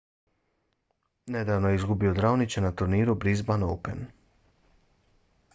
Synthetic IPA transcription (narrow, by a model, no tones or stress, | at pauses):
ned̪aʋnojeizɡubiod̪ɾawnit͡ʃenat̪uɾniːɾubɾizbanoːpen